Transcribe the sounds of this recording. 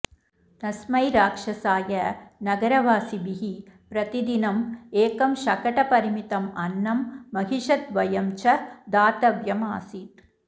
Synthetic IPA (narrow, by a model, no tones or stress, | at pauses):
t̪ɐsmɐjɾaːkʂɐsaːjɐnɐɡɐɾɐʋaːsibiɦipɾɐt̪id̪inɐmeːkɐmʃɐkɐʈɐpɐɾɪmit̪ɐmɐnːɐmːɐɣiʂɐt̪ʋɐjɐmt͡ʃɐd̪aːt̪ɐʋjɐmaːsiʈ̪